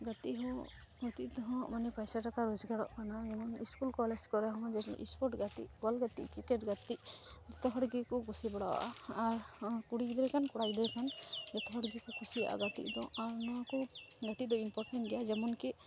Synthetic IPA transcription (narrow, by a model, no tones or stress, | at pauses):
ɡat̪iʔɦɔ̃ | ɡat̪iʔd̪ɔɦɔ̃manɛpajsaʈakaɾɔd͡ʒɡaɽɔ̰ʔkanad͡ʒɛmɔniskulkɔlɛd͡ʒkɔɾɛɦɔ̃d͡ʒɛ̰ʔḭspɔɾʈɡat̪ḭʔwalɡat̪ḭʔkikɛʈɡat̪iʔd͡ʒɛt̪ɔɦɔɽɡikɔkʰusibɔɽawa̰ʔaːɾkuɽikd̪ɛkankɔɽajd̪ɛkand͡ʒɛt̪ɔɦɔɽɡikɔkʰusia̰ʔa̰ɡat̪ḭʔd̪ɔaɾnakɔɡat̪iʔd̪ɔimpɔɾʈɛɳʈɡɛjad͡ʒɛmɔnki